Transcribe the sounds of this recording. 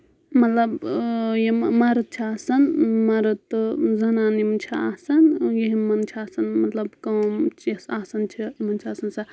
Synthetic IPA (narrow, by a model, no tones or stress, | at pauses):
mɐt̪lɐbjemaɾɐt̪̚t͡ʃʰiaːsɐnmɐɾɐt̪ːzɐnaːnimt͡ʃʰia̰ːsɐnjeɦimɐnt͡ʃʰiaːsɐnmɐt̪lɐbkɐwmt͡ʃisaːsɐnt͡ʃʰiimɐnt͡ʃʰiaːsɐnsa